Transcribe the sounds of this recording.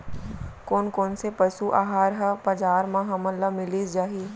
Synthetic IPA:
koːnkoːnsepɐsuʔa̰ːɦaːɾɦɐbɐd͡ʒaːɾmãɦɐməlɐmɪliːd͡ʒaːɦiː

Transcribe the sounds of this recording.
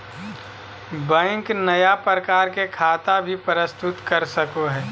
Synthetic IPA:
bɛ̃ŋknɐjapɾəkaːɾkekʰaːt̪abʱipəɾɪst̪ʊt̪kɐɾsəkoɦɛː

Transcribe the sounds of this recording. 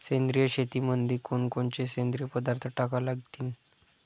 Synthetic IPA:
sẽnd̪ɾijəɕet̪imənd̪ʱikoɳkoɳt͡ɕesẽnd̪ɾijəpəd̪aɾt̪ʰəʈakalaɡt̪iːn

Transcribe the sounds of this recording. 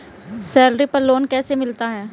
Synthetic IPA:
sɛːlɾipɐɾloːnkɛːsemɪlt̪aɦɛː

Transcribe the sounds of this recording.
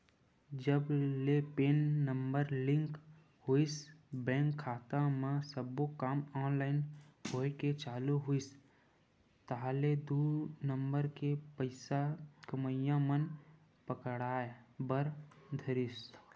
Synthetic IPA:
d͡ʒəblepeːnːəmbəɾlɪ̃ŋk | ɦuisbɛ̃ːŋkʰːaːt̪ãmãsəbokaːmɔ̃ːnlaːɪnɦoːeket͡ʃaːluɦuis | t̪aɦaled̪unəmbəɾkepəɪsakəməjãmən | pəkəɽaːebəɾd̪ʱəɾis

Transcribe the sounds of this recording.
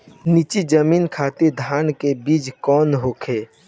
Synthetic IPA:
niːt͡ʃid͡ʒəmiːnkʰaːt̪ed̪ʱaːnkebiːd͡ʒkɔːnɦoːkʰeː

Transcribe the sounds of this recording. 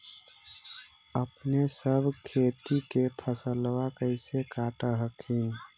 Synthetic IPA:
əpnesəbʱkʰet̪ikepʰəsəlwakəɪsekaʈəɦəkin

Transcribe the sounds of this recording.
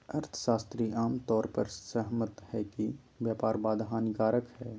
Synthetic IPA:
ɐɾt̪ʰʃaːst̪ɾiʔaːmt̪ɔːɾpəɾsəɦmət̪hɛki | ʋjaːpaːɾbaːd̪ɦaːnɡaːɾəkhɛː

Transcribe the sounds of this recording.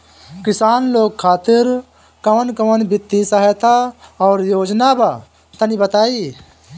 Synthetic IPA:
kɪsaːnloːɡ̚kʰaːt̪ɪɾ | kəʋənkəʋənbɪt̪ːisaɦɛt̪aɔːɾjoːd͡ʒnaba | t̪anibət̪aːi

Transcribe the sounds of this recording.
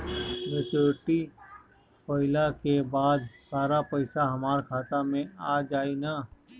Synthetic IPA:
ɾət͡ʃoːʈi | pəɪlakebaːd̪saːɾapəɪsaɦɐmaːɾkʰaːt̪amẽaːd͡ʒaːinaː

